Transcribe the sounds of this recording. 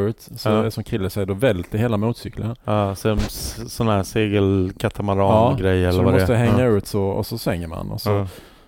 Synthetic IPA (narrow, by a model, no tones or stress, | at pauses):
ʉ̟ːt̪sɔɛsɔmkʰɾɪlːəsɛjəɖ̪ɔvɛlt̪ʰəɾheːlamuːt̪sʏkləsɛmsɔnːhæːseːɡəlkʰat̪ʰamaɾɑːɑːɡɾɛjːɛɔlːəɾmamɔstəəɦɛŋːaʉ̟ːt̪sɔɔ̰sɔsvɛŋːəɾma̰nɔ̰sɔ